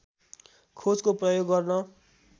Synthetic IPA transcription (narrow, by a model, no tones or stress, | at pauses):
kʰod͡zkoprʌjoɡːʌrnʌ